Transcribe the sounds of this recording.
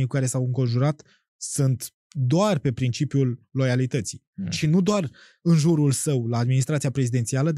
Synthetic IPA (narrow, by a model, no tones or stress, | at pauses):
ijkukaɾe̞sawɨŋko̞nʒuɾat̪ | sunt̪ | d̪oarpe̞pɾint͡ʃipjulːo̞jalit̪ət̪sijʃinud̪oar | ɨnʒuɾulsəwlaːd̪minist̪ɾat̪siapɾe̞zid̪et̪sialəd̪